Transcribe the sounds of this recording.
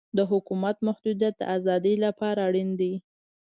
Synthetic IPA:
d̪əɦʊkumat̪mahd̪ud̪jat̪̚d̪ə̰ʔazɑd̪əjlapɑɾaɽind̪i

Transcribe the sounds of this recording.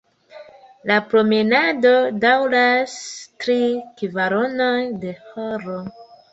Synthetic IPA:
lapɾo̞menado̞dawɾastɾikivaɾo̞no̞jde̞hoɾo

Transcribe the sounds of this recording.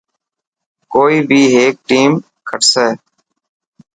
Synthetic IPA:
koːiːbʱiːɦeːk̚ʈiːm | kʰəʈsɛː

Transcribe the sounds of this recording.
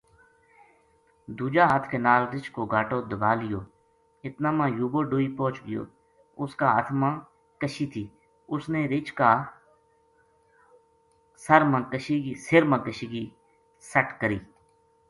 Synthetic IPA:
d̪uːd͡ʒaːɦət̪ʰkeːnaːlɾɪt͡ʃkoːɡʱaːʈoːd̪əbaːlɪjoː | ɪt̪nãːmãːjuːboːɖoːiːpõːt͡ʃɡɪjo̰ː | ʊskaːət̪ʰmãː | kəʃiːt̪ʰiː | ʊsneːɾɪt͡ʃkaː | səɾmãːkəʃiːɡiːsɪɾmãːkəʃiːɡiː | səʈkəɾiː

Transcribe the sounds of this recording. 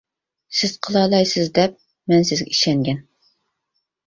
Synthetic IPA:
sɪzqʰəlˠɑlˠɑjsɪzd̪ɛp̚ | mɛnsɪzɡʲɛiʃɛŋɡʲɛn

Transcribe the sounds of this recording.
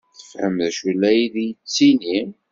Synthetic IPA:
θəfhəmðæʃulːæjiðijt͡sːinim

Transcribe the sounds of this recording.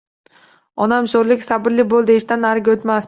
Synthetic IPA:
ɒnamʃoɾlɪkʲsabɪɾlɪbolˠd̪ɪeʃt̪anaɾɡʲot̪mas

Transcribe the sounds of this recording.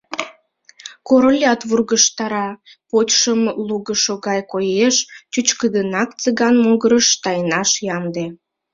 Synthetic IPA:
koɾolʲɑt̪βurɣəʃt̪ɑɾɑpotʲʃəmluɣəʃoɣɑjkojeʃt͡ɕut͡ɕkəd̪ənɑkt͡səɣɑnmoɣəɾəʃt̪ɑjnɑʃjɑmd̪e

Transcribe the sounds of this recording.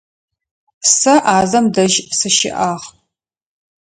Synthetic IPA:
sɐʔaːzɐmdɐʒsɨʃɪ̰ʔaːʁ

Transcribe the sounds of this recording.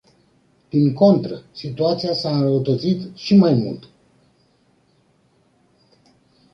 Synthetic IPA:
d̪̥iŋko̞nt̪ɾəsit̪uat̪sijasaɨnɾəwut̪ət̪sit̪ʃimajmṵlt̪

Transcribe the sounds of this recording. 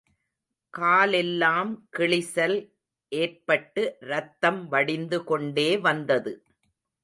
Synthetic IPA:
kaːlɛlːaːmkɪɭɪsɐl | ʔeːrpɐʈːɯɾɐt̪ːɐmʋɐɽɪnd̪ɯkɔɳɖeːʋɐnd̪ɐðɯ

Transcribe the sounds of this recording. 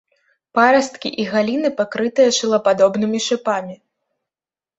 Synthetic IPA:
paɾɐst̪kʲḭʔiɣalʲinɨpakɾɨt̪ɨjɐʂɨlˠɐpad̪ɔbnɨmʲiʂɨpamʲi

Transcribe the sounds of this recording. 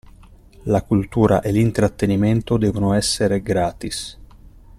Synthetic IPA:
lakult̪uːɾa̰ʔelint̪ɾat̪ːenimɛnt̪od̪ɛːvonoɛsːeɾeɡɾaːt̪is

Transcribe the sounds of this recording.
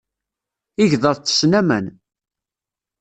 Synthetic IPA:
iʝðˤəðˤt͡s̪ːə̥snæmə̰n

